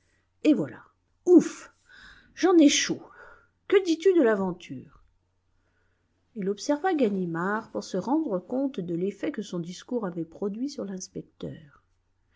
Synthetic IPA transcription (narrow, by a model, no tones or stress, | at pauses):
evwala̰ | uf | ʒɑ̃nɛʃo | kəd̪it̪yd̪əlavɑ̃t̪ʰyːʁ | ilɔpsɛʁvaɡanimaʁpuʁsəʁɑ̃d̪ʁəkɔ̃t̪d̪əlefɛkəsɔ̃d̪iskuʁavɛpχɔd̪ɥisyʁlɛ̃spɛk̚t̪œ̰ːʁ